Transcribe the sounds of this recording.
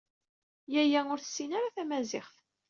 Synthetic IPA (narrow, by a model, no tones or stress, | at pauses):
jæjæʊɾθə̥sːinaɾaθæmæzɪχθ